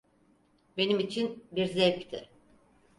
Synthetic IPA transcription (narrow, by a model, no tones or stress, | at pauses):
be̞nimit͡ʃʰinbiɾzɛvkʲt̪ʰɪ̰